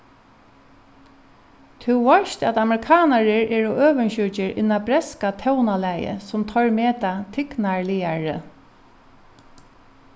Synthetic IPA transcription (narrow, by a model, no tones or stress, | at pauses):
t̪ʰuʋɔʃt̪at̪amɾɪkʰaːnaɹɪɹɛːɹʊʔøːʋənɕʏt͡ʃɪɹʔɪ̰nːabɾɛskat̪ʰɛwnalæjə̰sʊmt̪ʰɔɹmeːt̪at̪ʰɪknaɹlɪaɹə̰